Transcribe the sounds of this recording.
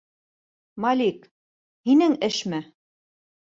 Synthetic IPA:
mɑlʲik | hinɘŋɘʃmɘ

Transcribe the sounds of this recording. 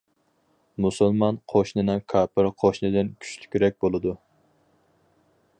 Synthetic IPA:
musulˠmɑnqʰoʃnɨnɪkʰɑːpɪɾqʰoʃnɨd̪ɪnkʲʰy̥t͡ʃlʲy̥kʲyɾɛk̚ʲbolˠɨd̪u

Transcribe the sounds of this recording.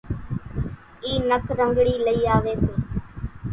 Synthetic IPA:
iːnəkɾəŋɡɽiːləiːaːʋeːseː

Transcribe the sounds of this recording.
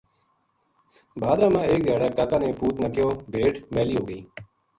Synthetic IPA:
bʱaːd̪ɾãːmãːeːk̚d̪jaːɽaːkaːkaːnẽːpuːt̪naːkjoːbʱeːʈmeːliːɦoːɡəiː

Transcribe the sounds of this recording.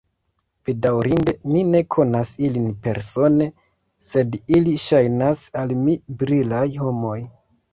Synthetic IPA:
pedawɾinde̞mine̞kʰo̞nasilinpe̞ɾso̞ne̞ | se̞diliʃajnasalmibɾilajho̞mo̞j

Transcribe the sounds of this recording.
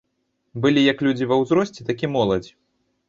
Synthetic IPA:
bɨlʲijɐklʲud͡zʲivɐwzɾɔsʲt͡sʲiɛt̪akʲimɔlˠɐd͡zʲi

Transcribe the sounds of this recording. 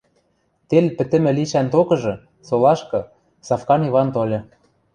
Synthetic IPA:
t̪elpɘ̆t̪ɘ̆mɘ̆liʃænt̪okɤ̆ʒɤ̆ | solɑʃkɤ̆ | sɑfkɑniβɑnt̪olʲɤ̆

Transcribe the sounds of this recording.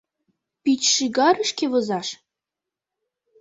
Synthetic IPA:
pit͡ɕʃiɣɑɾə̆ʃkeβɤ̆zɑʃ

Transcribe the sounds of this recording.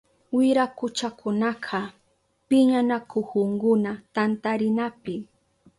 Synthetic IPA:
wɪɾakʊt͡ʃakʰʊnɑqʰɑ | pɪɲanakohʊŋɡʊnat̪ant̪aɾɪnapɪ

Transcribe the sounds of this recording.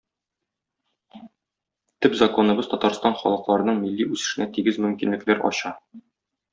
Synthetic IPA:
t̪ɵpzɐko̞nɤ̆bɤzt̪ɒt̪ɑɾst̪ɑnχɒ̰lˠɤ̆qlˠɑɾɤ̆nɤɴmilːiʉsɘ̆ʃɘ̆næt̪iɡɘzmɵ̆mkinlɘ̆klæɾʔɒ̰ɕɑ

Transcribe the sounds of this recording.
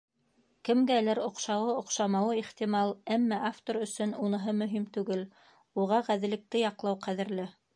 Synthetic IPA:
kɘ̆mɡælɘɾŏqʃɑwɤŏqʃɑmɑwɤiχt̪imɑlˠæmːæʔaft̪oɾɵ̆sɵnunɤ̆ɦɤmɵ̆ɦimt̪ʉɡɘl | uʁɑʁæðɘ̆lɘ̆k̚t̪ɘjɑqlˠɑwqæðɘ̆ɾlɘ

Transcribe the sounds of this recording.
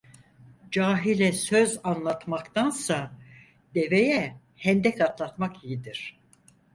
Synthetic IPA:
d͡ʒaːɦilʲɛsøzanlˠat̪makt̪ʰansa | d̪̥e̞vejɛ | hɛnd̪ɛk̪at̪lˠat̪makijid̪iɾ̥

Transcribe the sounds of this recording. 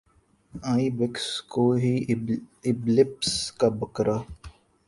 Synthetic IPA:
aibɪkskoɦi | ɪblɪpskabəkɾa

